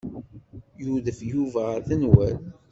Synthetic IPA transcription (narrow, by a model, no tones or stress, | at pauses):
juðəfjuvæʁəɾθənwæl